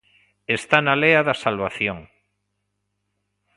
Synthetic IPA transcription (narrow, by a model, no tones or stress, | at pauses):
est̪analeaðasalβaθjoŋ